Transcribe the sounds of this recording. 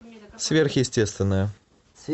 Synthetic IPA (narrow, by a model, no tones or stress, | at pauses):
svʲerxjɪsʲtʲest̪vʲɪnːəjə